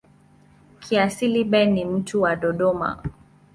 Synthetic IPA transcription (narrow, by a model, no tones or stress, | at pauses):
kʰiasiliɓɛnim̩tuwaɗɔɗɔma̰